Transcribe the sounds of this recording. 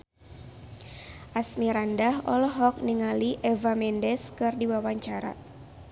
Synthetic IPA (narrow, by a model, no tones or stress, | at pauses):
ʔasmiɾandaɦɔlɦɔk̚niŋaliʔɛvamɛndɛskɨrdiwawaɲt͡ʃaɾa̰